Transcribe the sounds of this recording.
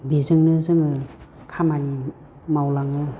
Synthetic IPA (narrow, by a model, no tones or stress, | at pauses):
bizɯŋnɯzɯŋɯ | kʰamani | mawlaŋɯ